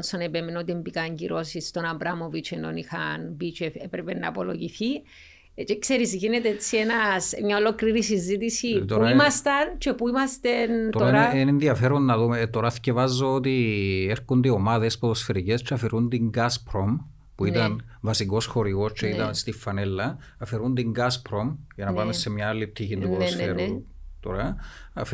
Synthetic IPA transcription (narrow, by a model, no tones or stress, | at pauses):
nsonepemenot̪iembikɐɲɟḭɾo̞sist̪o̞nɐmbɾamovit͡ʃʰeno̰nixɐnbit͡ʃefepɾepenːɐ̰po̰lo̰ʝiθi | t͡ʃekseɾizʝinet̪eet͡sːienɐsmɲaolo̞kɾiɾisizit̪isipt̪ouɾimɐst̪ɐnt͡ʃe̞puimɐst̪ent̪ooɾenenðiɐfeɾonːɐðumet̪oɾɐscevɐzːoot̪ieɾkund̪eomaðe̞spoðosfeɾicest͡ʃːeɐfeɾund̪iŋɡaspɾom | puit̪ɐn | vɐsiko̞sxo̞ɾiɣo̞st͡ʃeit̪ɐnst̪ifːɐnelːɐ | ɐfeɾund̪iŋɡɐspɾo̞mʝɐnɐpɐmesːe̞mɲɐalːip̚t̪ʰiçind̪upoðosfeɾu | t̪oɾɐ | ɐf